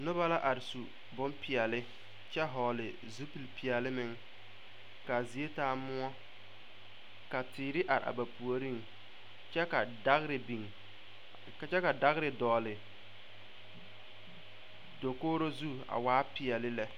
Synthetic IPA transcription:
nʊ˦ba˦la˦ʔa˨ɾɪ˨su˨ | bʊ˦npɪ˨ɛ˨lɪ˦ | t͡ʃɛ˦ɦɔː˨lɪ˨ | zu˦pi˨lpi˨ɛ˨lɪ˦mɪ˦ŋ | ka˨zi˨e˦taː˦mʊ˦ɔ˦ | ka˨tɪː˨ɾɪ˦ʔa˨ɾa̰˨ba˨pu˨o˨ɾi˦ŋ | t͡ʃɛ˦ka˨da˦ɣɾɪ˨bi˨ŋ | ka˨t͡ʃɛ˦ka˨da˦ɣɾɪ˨dɔː˨lɪ˨ | do˨koː˦ɾo˦zu˦a̰˨waː˨˦pɪ˨ɛ˨lɪ˦lɛ˨

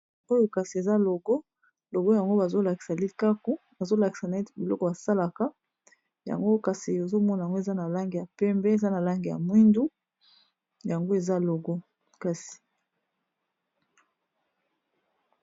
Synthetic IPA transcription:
o˦jo˨ka˨si˨e˨za˦lo˨ɡɔ˦ | lo˨ɡɔ˦ja˨ŋɡo˦ba˨zo˦la˨ki˨sa˨li˦ka˦ko˦ | ba˨zo˦la˨ki̥˨sa˨na˨e˦ti˨bi˨lɔ˦kɔ˨ba˨sa˦la˨ka˦ | ja̰˨ŋɡo˦ka˨si˨o˨zo˦mɔ˦na˨jŋɡo˦e˨za˦na˨la˦ŋɡi˨ja˨pɛ˦mbɛ˦e˨za˦na˨la˦ŋɡi˨ja̰˨mwi˦ndu˦ | ja˨ŋɡo˦e˨za˦lo˨ɡɔ˦ | ka˨si̥˨

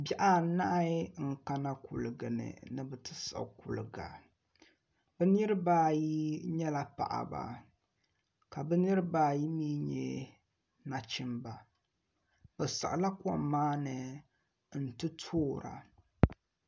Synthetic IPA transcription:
ba˦ʔa˦˨na˦ʔŋ̩˦ka˦na˦ku˨lɨ˨ɡɨ˨nɨ̰˨nɨ˦˨bɛ˨tɨ˦sa̰˨ku˨lɨ˨ɡa̰˨ | bɛ˦nɨ˦ɾɨ˦baː˦ji˦ɲɛ˦la˨pa̰˨ʔa̰˨ba̰˨ | ka˨bɛ˦nɨ˦ɾɨ˦baː˦ji˦miː˦ɲɛ̰˦˨ | na˨t͡ʃɪ˦mba˨ | bɛ˨sa̰˨ʔla˦kwɔ˦˨mːaː˦nɨ˨ | n̩˨tɨ˦tʰoː˦˨ɾa̰˨

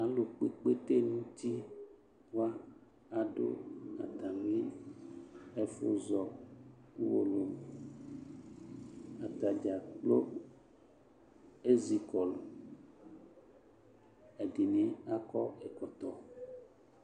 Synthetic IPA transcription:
a˨lo˨k͡pe˨k͡pe˦t̪e˦nũ˦t̪i˦ | wa˦ | a˨ɖo̰˦a̰˨t̪a˨mli˦ | ɛ˦fo˦zɔ˨ | u˦wo˨lo˨m | a˨t̪a˨d͡ʒa˨k͡plo˦ | e˦zi˨kɔ˨lo˨ | e˨di˨nẽ˦a˦kɔ˦e˨kɔ˨t̪ɔ˨

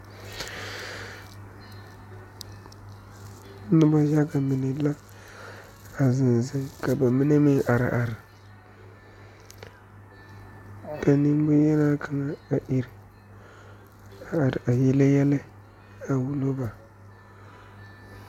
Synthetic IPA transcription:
nu˦ba˦d͡ʒa˦ɡa˨mi˨ni˨˦la˦ | a˨zi˨n˨za˨ka˨ba˨mi˦ne˦mi˦ŋʔa˨ɾ̰ʔa˨ɾi˨ | ka˨ni˦m˦bu˦je˦na˦kʰa˨ŋa˨a˨ʔi˨ɾ | a˨ɾa˨ji˦le˦ja˦la˦ | a˨wu˨lo˦ba˨

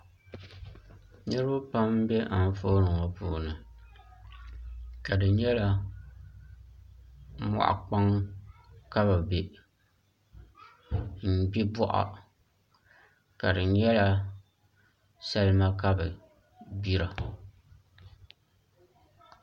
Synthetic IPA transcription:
ɲɨ˦ɾɨ˦bʊ˦pa˦m˦bɛ˦ʔa˨n˦foː˦nɨ˨ŋɔ˨puː˨nɨ˨ | ka˨dɨ˨ɲɛ˦la˦ | mɔ̰˨ʔa̰˨k͡pa˦ŋ | ka˦ba˨be˨ | n̩˨bi˦bɔ˦ʔa̰˨ | ka˨dɨ˨˦ɲɛ˦la˦ | sa˦lɨ˦ma˦ka˦bɨ˨ | bi˦ɾa˨

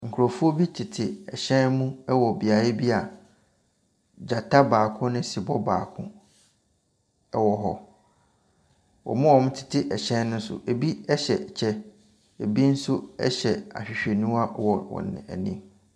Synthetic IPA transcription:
ŋ̩˨kʰʊ˨ɾo˨fu˦o˦bi˦tʰɪ˨tʰɪ˨ɛ̰˨ɕɛ̃˦nmũ˦ɛ˦wɔ˨bi˨a˨ɾɪ˦bi˦a˨ | d͡ʑa˨tʰa˦baː˨kʰʊ̃˦nɪ̃˦si˨bɔ˦ba̰ː˨kʰʊ̰̃˦ | ɛ˦wɔ˨ɦɔ˦ | wɔ̰˨mʊ̃˦wɔ̃˨m˦tʰɪ̥˨tʰɪ˦ʔɛ˨ɕɛ̃˦nnʊ̃˦sʊ̰˦ʔe˨bi˦ɛ˦ɕɛ˨t͡ɕʰɛ˦ | e˨bi˦n̩˦sʊ˦ɛ̰˦ɕɛ˨a̰˨ɕᶣɪ˨ɕᶣɛ˨nũ˦a˦wɔ˨wɔ̰̃˨nɪ̰̃˨æ̰˨nĩ˦m

